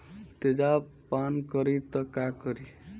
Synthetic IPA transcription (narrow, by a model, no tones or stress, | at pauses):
t̪ed͡ʒa | pankʌɾit̪ʌkakʌɾi